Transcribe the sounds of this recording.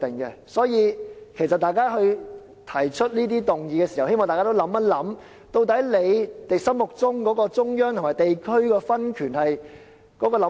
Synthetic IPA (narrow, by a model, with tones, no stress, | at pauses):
t̪e˨˩ŋkɛ̰˧sɔː˨˥jiː˨˧kʰe˨˩js̬ɐ˨t̚t̪aː˨jkaː˥ɦɵ˧ɥ | t̪ʰɐ˨˩jt͡ʃʰɵ˥t̚niː˥t̪iː˥t̪ʊ˨ŋjiː˨kɛː˧si˨hɐ˨whe˥jmɔː˨ŋt̪aː˨jkaː˥to˥wlɐ˨˥mːɐ˥t̚lɐ˨˥m | t̪o˧wt̪̬ɐ˨˥jle˨˧jt̪e˨sɐ˥mmʊ˨k̚t͡sʊ˥ŋkɔː˨˥kɔː˧t͡sʊ˥ŋjœː˥ŋt̪ʰmaː˨˩jt̪e˨jkʰɵ˥ɥkɛː˧fɐ˥nkʰyː˨˩nhɐ˨j | kɔː˨˥kɔː˧lɐ˨˥